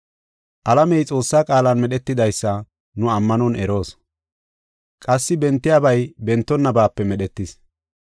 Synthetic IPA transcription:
ʔɐlɐmɛjt͡sʼo̞ːsːaːkʼaːlɐnmɛɗɛt̪ːɪd̪ɐjsːɐ | nʊɐmːɐnɔnɛɾo̞ːs | kʼɐsːɪbɛnt̪ːɪjaːbɐjbɛnt̪ːɔnːɐbaːpːɛmɛɗɛt̪ːɪs

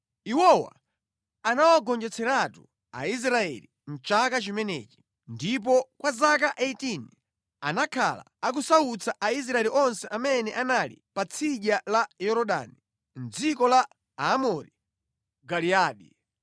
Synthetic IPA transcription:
iwɔwa̰ | anawaɡɔnd͡ʒɛt͡sʰɛɾatu | a̰is̬ɾaɛ̰lin̩t͡ʃakat͡ʃimɛnɛ̰ːt͡ʃi̥ | ndip̬ɔkwazak̬aʔeitini | anakʰa̰la̰ | ak̬usaut͡sʰaʔais̬ɾaɛliʔɔnsɛʔamɛnɛʔanalḭpat͡sʰiʄalajɔɾɔɗa̰ni | n̩d͡zikɔla | amɔɾi | ɡaliaːɗi

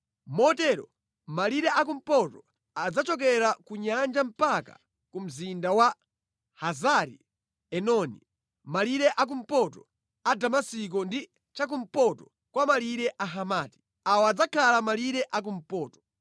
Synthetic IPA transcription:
mɔtɛɾɔ̰ | maliɾɛʔak̬um̩pɔtɔ | ad͡zat͡ʃɔk̬ɛɾakuɲand͡ʒam̩paka̰ | kum̩zindawa | hazaɾḭ | ɛnɔnḭ | maliɾɛʔak̬um̩pɔtɔ | adamasik̬ɔndi | t͡ʃak̬um̩pɔtɔ | kwamaliɾɛʔaɦamaːti̥ | awɔad͡zakʰalamaliɾɛʔak̬um̩pɔːtɔ̥

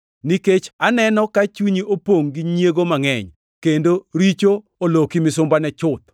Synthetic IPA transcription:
niket͡ʃanɛnɔkat͡ʃuɲiʔopwoŋɡɪɲjeɡomaŋɛɲ | kendoɾit͡ʃo | olokimɪsʊmbanɛt͡ʃʊt̪̚

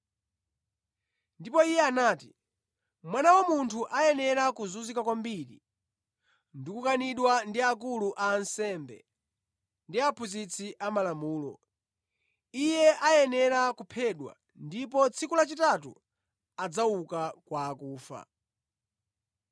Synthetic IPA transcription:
ndipɔijɛanaːti | mwanawɔmuntʰuʔajɛnɛɾakuzuzikakwambiɾḭ | ndikukaniɗwandiak̬uluʔaːnsɛmbɛ̰ | ndiapʰuzit͡sʰiʔamalamuːlɔ̰ | ijɛʔajɛnɛɾakupʰɛɗwa̰ | ndipɔt͡sʰikulat͡ʃitatṵ | ad͡zaukakwaːkuːfa̰

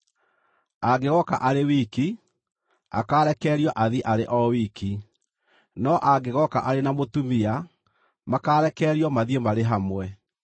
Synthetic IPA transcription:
aɡeɣɔkaʔaɾewiki | a̰kaːɾɛkɛɾiɔʔaðiʔaɾeʔɔwiki | nɔʔaɡeɣɔkaʔaɾenamotumia | makaːɾɛkɛɾiɔmaðiemaɾeɦamwɛ

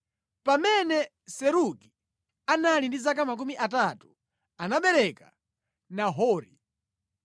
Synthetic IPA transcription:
pamɛnɛ | sɛɾuki̥ | analindizak̬amak̬umiʔat̬atu̥ | anaɓɛɾɛka | naɦɔːɾḭ

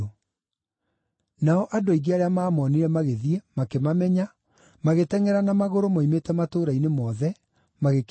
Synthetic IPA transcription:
o | naɔʔadoiɡeaɾeamaːmɔniɾɛmaɣeðiɛmakemamɛɲa | maɣetɛŋɛɾanamaɣoɾomaimetɛmatoːɾainemɔːðɛ | maɣek

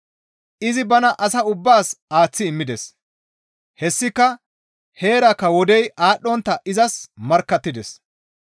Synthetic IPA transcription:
ʔɪzɪbɐnɐʔɐsɐʊbːaːsaːt͡sːɪːmːɪd̪ɛs | hɛsːɪkːɐ | he̞ːɾɐkːɐwɔd̪ɛjaːɗːɔnt̪ːɐʔɪzɐsmɐɾkːɐt̪ːɪd̪ɛs

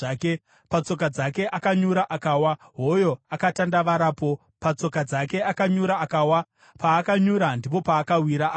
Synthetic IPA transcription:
ke | pat͡so̞k̬ad͡zake̞ʔakaɲuɾaʔakawaɦo̞jo̞akatandaʋaɾaːpo̞ | pat͡so̞kad͡zake̞akaɲuɾaːkaːwa | paːkaɲuɾandip̬o̞paːkawiɾaʔː

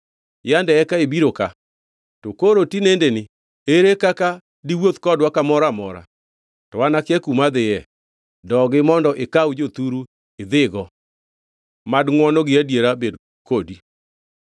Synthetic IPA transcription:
jandɛɛkaebiɾoka | tokoɾotinendenɪ | eɾekaka | diwot̪kɔdwakamɔɾamɔɾa̰ | tɔwanakɪɛkumad̪ɪjɛ | dɔɡɪmɔndɔʔekawd͡ʒot̪uɾu | ɪd̪ɪɡɔ | madŋwɔnɔɡɪadjeɾabed | kodi

